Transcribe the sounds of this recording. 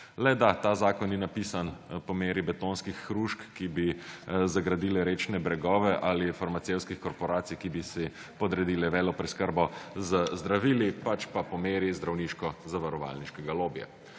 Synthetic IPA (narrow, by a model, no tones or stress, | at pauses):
lɛd̪at̪aːzaːkɔnːinapiːsanpɔmeːɾibɛt̪onskixːɾuʃkːibizaɡɾad̪iːlɛɾeːt͡ʃnɛbɾɛɡɔːʋɛʔalifaɾmasewskixkɔɾpɔɾaːt̪sijkibisi | pɔd̪ɾɛd̪iːlɛʋɛːlɔpɾɛskəɾbɔzəzd̪ɾaʋiːlipat͡ʃpapɔmeːɾizd̪ɾawniːʃkɔzaʋaɾɔʋa̰lniʃkɛɡaloːbja̰